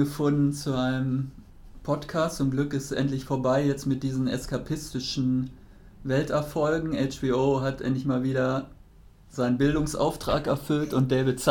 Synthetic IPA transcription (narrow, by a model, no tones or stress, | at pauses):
ɡəfʊndn̩t͡suʔaɪnəm | pʰɔtkʰaːstt͡sʊmɡlʏkɪstʔɛ̰ntlɪçfoːɐbaɪjɛt͡stmɪt̚d̥iːzn̩ɛ̰skapʰɪstɪʃn̩ | vɛltɛɐfɔlɡŋ̩ɛɪt͡ʃb̥iːoːɦatʔɛ̰ntlɪçmaːlviːɾɐ | z̥aɪnənbɪldʊŋsʔa̰ʊftʁ̥a̰ːkɛɐfʏltʊnt̚d̥eːvɪtt͡s